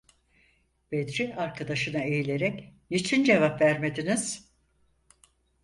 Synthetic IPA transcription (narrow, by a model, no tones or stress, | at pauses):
b̥ed̪ɾiaɾkʰad̪aʃɯnae̞jilʲe̞ɾɛcnit͡ʃʰind͡ʒe̞vapvæɾme̞d̪iniz̥